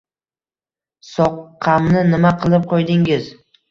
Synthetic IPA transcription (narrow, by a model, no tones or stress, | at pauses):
sɒqʰːamnɪnɪmaqʰɨlˠɪp̚qʰojd̪ɪŋɪz